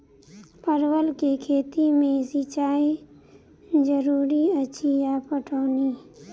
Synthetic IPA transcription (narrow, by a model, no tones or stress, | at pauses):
pəɾwəlkekʰeːt̪imẽsit͡ʃaːi | d͡ʒəɾuːɾiət͡ʃʰijapəʈʰoːniː